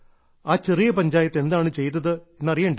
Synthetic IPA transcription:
aːt͡ɕe̞rijɐpɐɲd͡ʑaːjɐt̪ːe̞nd̪aːɳɨt͡ɕe̞jt̪ːɐðɨenːɐrijeːɳɖ

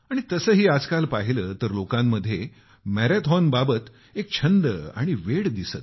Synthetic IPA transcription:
aɽ̃it̪əsəːɦiːad͡zkalpaɦiləːt̪əɾlokãmːəd̪ʱːje | mæɾet̪ʰɔnbabət̪ | ek̚t͡ɕʰənd̪əa̰ɽ̃iʋeɽd̪isət̪̚

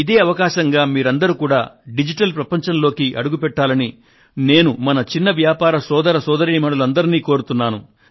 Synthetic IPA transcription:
id̪e̞ːɐʋɐkaːʃɐŋɡaːmiːɾɐnd̪ɐɾukuːɽaːɖid͡ʒiʈɐlpɾɐpɐɲt͡ʃɐnlo̞ːkiʔɐɽuɡupɛʈːaːlɐni | ne̞ːnumɐnɐt͡ʃinːɐʋjaːpaːɾɐsɔːd̪ɐɾɐsɔːd̪ɐɾiːmɐɽɐlɐnd̪ɐɾiniːkoːɾut̪unːaːnu

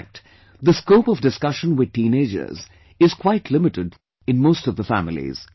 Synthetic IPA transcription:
k̚t | ðəskoʊpʌvdɨskʌʃə̃nwɪd̪̚tĩːneɪd͡ʒə̰˞z | ɪz̥kʰw̥aɪtʰlɪmɨɾɨd | ɨ̃nmoʊstʌvðəfæ̰mɪl̩ḭz̥

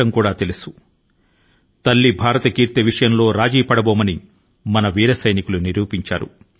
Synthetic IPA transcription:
ɐmkuːɽaːt̪e̞lusu̥ | t̪ɐlːibʱaːɾɐt̪ɐkiːɾt̪ɐʋiʂɐjɐmlo̞ːɾaːd͡ʒiːpɐɽɐboːmɐni | mɐnɐʋiːɾɐsɐjnikuluniɾuːpiɲt͡ʃa̰ːɾṵ

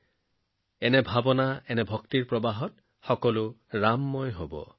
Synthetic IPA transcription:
ɛnɛbʱabɔnaɛnɛbʱɔkt̪iɹpɹɔbaɦɔt | xɔkɔluɹamːɔjɦobɔ̰

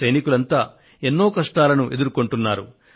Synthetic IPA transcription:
ɐjnikulɐnt̪aː | e̞nːo̞ːkɐʂʈaːlɐnuʔe̞d̪uɾuko̞ɳʈunːaːɾṵ

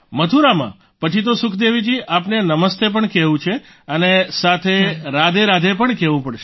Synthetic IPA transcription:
mət̪ʰuɾamã̰ | pət͡ʃʰit̪̬osʊkʰd̪eʋid͡ʒiapnenəməst̪ep̬əɳkɛʋũt͡ʃʰe | ənesat̪ʰeɾad̪eɾad̪ʱepəɳkɛʋũpəɽʃe

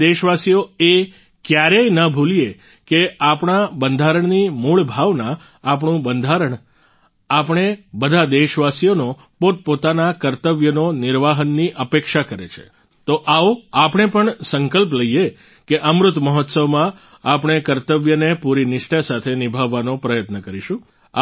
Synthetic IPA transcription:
eʃʋasijoe | kjaɾejnəbʱulije | keapɳ̃abənd̪ʱaɾəɳnimuɭbʱaʋnãː | p̬ɳũbənd̪ʱaɾəɳ | apɳ̃ebəd̪ʱad̪eʃʋasijono | poʈ̪̚pot̪anakəɾt̪əʋjənonɪɾʋaɦənːiʔəpekʃakəɾet͡ʃʰḛ | t̪oʔaoapɳ̃epəɳsəŋkəlp̬ləije | keʔəmɾʊt̪məɦɔt̪səʋmã | apɳ̃ekəɾt̪əʋjənepuɾinɪʃʈasat̪ʰenɪbʱaʋːanopɾəjət̪nəkəɾiʃũ

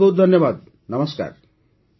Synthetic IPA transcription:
ot̪̚d̪ʱʌnjʌbad̪̚ | nʌməska̰ɾ

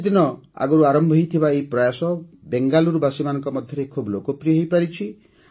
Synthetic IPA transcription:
d̪inɔa̰ɡɔɾuaɾɔmbʱɦjt̪ʰibaeipɾɔjasɔ | beŋɡaluɾubasimanɔŋkɔmɔd̪ʱjɔɾekʰublokopɾijɔɦejpaɾit͡ʃʰi

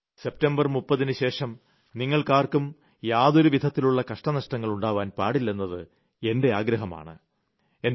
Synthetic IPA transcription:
se̞p̚tɐmbɐrmupːɐðinɨɕe̞ːʂɐm | niŋːɐɭkaːrkum | jaːðo̞ɾuʋid̪ʱɐt̪ːiluɭːɐkɐʂʈɐnɐʂʈɐŋːɐɭuɳɖaːʋaːnpaːɽilːenːɐðɨ | e̞nde̞aːɡɾɐɦɐma̰ːɳɨ̰ | e̞n

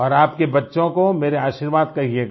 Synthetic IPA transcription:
ɔːɾaːpkebɐtːʃõkomeːɾeaːʃiːɾʋaːd̪̚kɐɦie

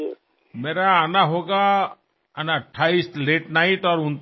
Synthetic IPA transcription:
meɾaːnaɦoɡa | anaʈʰaistleʈnaiʈɔɾunt̪

